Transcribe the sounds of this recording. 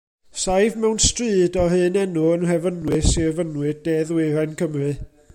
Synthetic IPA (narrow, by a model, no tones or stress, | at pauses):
sajvmɛwnstrɨːdɔhɨːnɛnuənrɛvənwɨsiɛvənwɨdɛðwɪɾankʰəmrɨ